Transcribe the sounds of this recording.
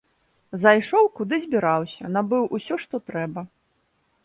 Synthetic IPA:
zajʂɔwkud̪ɨzʲbʲiɾawsʲɐnabɨwʔusʲɔʂt̪ɔt̪ɾɛbɐ

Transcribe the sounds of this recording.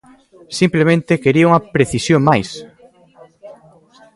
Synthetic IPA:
simplemẽnt̪ekeɾiauŋɐpɾeθisjomajs

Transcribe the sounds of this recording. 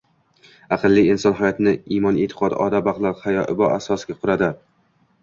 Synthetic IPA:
ɑqɨlˠːiɪnsɒnɦajɒt̪ʰɪnɪimɒnet̪ʰɪ̥qʰɒd̪ɒ̰d̪abaqlˠaɾhajɒʔɪbɒʔasɒsɪɡʲaqʰʊɾad̪ɪ

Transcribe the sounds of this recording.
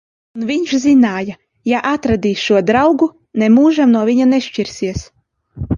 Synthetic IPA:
unvʲiɲʃzinaːja | jaʔat̪ɾad̪ʲiːsʃuɔd̪ɾawɡu | nɛmuːʒamnuɔviɲanɛʃt͡ʃiɾsiɛs

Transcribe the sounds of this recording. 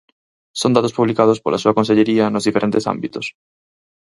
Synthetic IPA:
sond̪at̪ospuβlikað̞ospolʔasuɐkonseʎeɾiɐnozðifeɾʔẽnt̪esa̰mbit̪os

